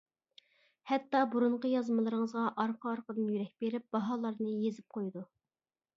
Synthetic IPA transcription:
hɛt̪ːɑbuɾuɴqəjɑzmɨlˠɨɾəŋəzʁɑʔɑɾqʰɑɑɾqəd̪ɨnjyɾɛk̚ʲbeɾɪp̚b̥ɑɦɑːlˠɑɾnɨjezɪp̚qʰojd̪u

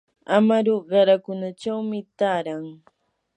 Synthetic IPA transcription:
amaɾoɢɑɾakʊnat͡ʃawmɪt̪aːɾaŋ

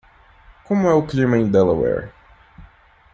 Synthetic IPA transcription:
kõmʊɛʊklimɐẽd̪ɛlɐwɛ̰ɾ

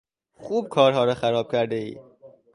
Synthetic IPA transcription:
xuːb̚kʰɒːɾɦɒːɾɒxæɾɒːb̥̚cʲʰæɾd̪eḭː

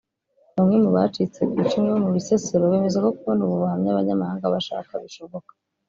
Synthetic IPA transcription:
βamŋe̞muβa̰t͡ʃit͡se̞kiːt͡ʃumŋeβomuβiseseɾoβe̞ːmezako̞kuunuβuβuahamɲaβaɲamahaːŋɡaβaʃa̰kaβiʃo̞βokḁ

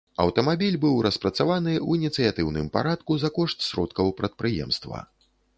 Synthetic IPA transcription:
ɐ̰wt̪ɐmabʲilʲbɨwɾɐspɾɐt̪savanɨwinʲit̪sɨjat̪ɨwnɨmpa̰ɾat̪̚kuzakɔʂt̪sʲɾɔ̰t̪kɐwpɾɐt̪̚pɾɨjɛ̰mst̪vɐ̰

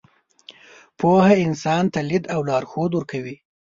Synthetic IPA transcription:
pʰohaɪnsɑnt̪alid̪awlɑɾxod̪wʊɾkʰawi

